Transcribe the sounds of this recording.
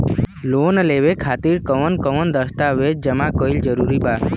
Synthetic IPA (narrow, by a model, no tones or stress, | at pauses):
loːnəleʋekʰaːt̪iɾkəʋənkəʋənd̪əst̪aʋed͡ʒ̚d͡ʒəmakoild͡ʒəɾuɾiba